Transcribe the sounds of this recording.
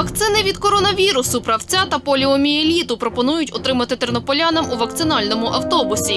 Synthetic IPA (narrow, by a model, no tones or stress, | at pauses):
ʋɐkt̪sɪnɪʋʲid̪kɔɾɔnɐʋʲiɾʊsʊpɾɐwt͡sʲat̪ɐpɔlʲiɔmʲielʲit̪ʊpɾɔpɔnujʊtʲɔt̪ɾɪmɐt̪ɪt̪ernɔpɔlʲanɐmuʋɐk̚t̪sɪnɑlʲnɔmʊʔɐwt̪ɔbʊsʲi